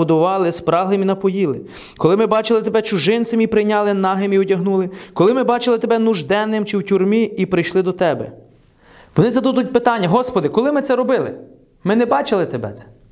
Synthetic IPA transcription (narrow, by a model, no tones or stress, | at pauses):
ɔd̪ʊʋɑlˠɪspɾɑɦlˠeminɐpɔjilˠɪ | kɔlˠɪmɪbɑt͡ʃɪlˠɪt̪ebɛt͡ʃʊʒɪnt̪sɐmipɾɪjnʲɑlˠɪnɑɦemiʊtʲɐɦnulˠɪkɔlˠɪmɪbɑt͡ʃɪlˠɪt̪ebɛnʊʒd̪ɛnːɪmt͡ʃɪwtʲurmʲiipɾɪjʃlˠɪd̪ɔt̪ɛbɛ | ʋɔnɪzɐd̪ud̪ʊt̚ʲpɪt̪ɑnʲːɐɦɔspɔd̪ɪkɔlˠɪmɪt̪sɛɾɔbɪlˠɪ̰ | mɪnɛbɑt͡ʃɪlˠɪt̪ebɛ̰t̪sɛ̥